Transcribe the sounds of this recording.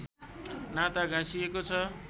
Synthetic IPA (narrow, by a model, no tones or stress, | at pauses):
nat̪aɡʱãsijekot͡sʰʌ